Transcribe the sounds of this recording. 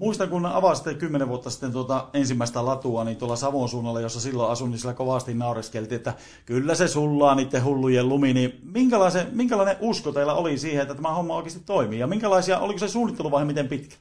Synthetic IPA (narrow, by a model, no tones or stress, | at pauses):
muist̪ɑŋkunneɑ̰ʋɑsit̪ːekkymːeneʋʋuot̪ːɑsi̥t̪ːent̪uot̪ɑensimːæˑest̪ælɑt̪uɑniːnt̪uolːɑsɑʋonsuːnːɑlːɑjosːɑsilːoɑsunːinsielækoʋɑst̪innɑˑoreskelt̪iːet̪ːæ | kylːæsesulːɑːniːt̪ːehulːujelluminimiŋkælɑˑisemiŋkælɑˑeneʔʔuskot̪eilːæolisiːheʔet̪ːæt̪æmæhomːɑoˑikest̪it̪toˑimiːjɑmiŋkælɑˑisiɑʔo̰likosesuːnːˑit̪ːeluʋɑˑhemit̪empit̪kæ̥l